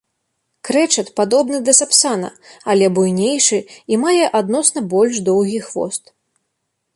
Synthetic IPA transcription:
kɾɛt͡ʂɐt̪pad̪ɔbnɨd̪ɐsapsanɐ̰alʲɛbujnʲejʂɨimajɛʔad̪̚nɔsnɐbɔlʲʂd̪ɔwɣʲixvɔ̰st̪

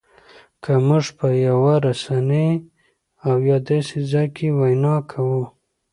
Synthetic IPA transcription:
kʰamʊʐpəjawaɾasane | awjɑd̪ɑsezajkewajnɑkʰawu

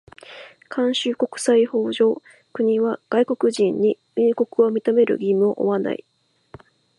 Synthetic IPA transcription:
kʰãɰ̃ɕɨːko̞kɯ̟̥saiho̞ːʑo̞ː | kɯ̟ɲ̟iβaɡ̥aiko̞kɯ̟ʑĩɲ̟ːi | iko̞kɯ̟o̞mʲit̪ome̞ɾɯ̟̰ɡʲimɯ̟o̞ʔo̰βana̰ḭ

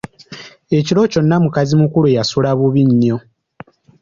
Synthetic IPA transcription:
e̞cilo̞co̞nːamukazimukuluejasulaβuβiɲːo̞

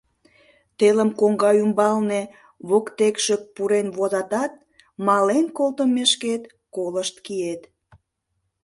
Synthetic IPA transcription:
t̪eləmkoŋɡɑymbɑlne | βokt̪ekʃək̚puɾenβozɑt̪ɑt̪̚ | mɑlenkolˠt̪əmeʃket̪ | koləʃt̪kiet̪

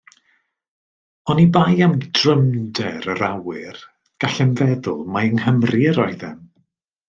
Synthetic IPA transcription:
ɔnibajamdrəmdɛɾəɾawɪr | ɡ̥aɬɛnvɛðʊlˠmaəŋhəmriəɾɔɨðɛ̰m

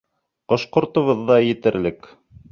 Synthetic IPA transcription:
qɤ̆ʃqŏɾt̪ŏβɤ̆ðːɑjɘ̆t̪ɘ̆ɾlɘk

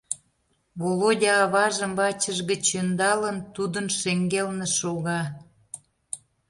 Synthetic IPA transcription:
βolodʲɑːβɑʒə̆mbɑt͡ɕəʒɣət͡ɕənd̪ɑlənt̪ud̪ənʃeŋɡelnĕʃoɣɑ

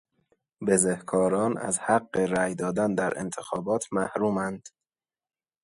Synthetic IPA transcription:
bezehkʰɒːɾɒːnæ̰zhæɡːe̞ɾæːjd̪ɒːd̪ænd̪æɾḛnt̪ʰexɒːbɒːt̪ʰmæhɾuːmænd̪̥

